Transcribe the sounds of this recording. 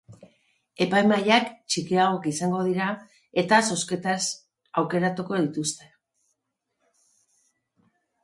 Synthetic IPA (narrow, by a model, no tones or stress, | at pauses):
e̞pajmajakt͡ʃikiaɣokisaŋɡo̞ð̞iɾa | e̞t̪aso̞ske̞t̪as | awke̞ɾat̪uko̞ðit̪ust̪e̞